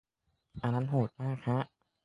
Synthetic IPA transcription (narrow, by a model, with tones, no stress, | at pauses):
ʔa˧nːa˦˥nɦoː˨˩t̪̚maː˥˩kʰɾa˦˥ʔ